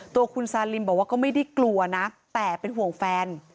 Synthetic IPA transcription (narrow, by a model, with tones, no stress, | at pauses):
t̪u˧ɐkʰu˧nsaː˧li˧mbɔː˨˩k̚waː˥˩kɔː˥˩ma˥˩jda˥˩jklu˨˩ɐna˦˥t̪ɛː˨˩pe˧nɦu˨˩əŋfɛː˧n